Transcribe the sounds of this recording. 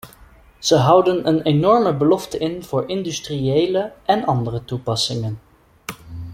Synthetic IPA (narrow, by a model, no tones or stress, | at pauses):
z̥əɦʌwdənənenɔɹməbəlɔftəɪnv̥ʊːɹʔɪndystriejləɛnɑndərətupɑsɪŋən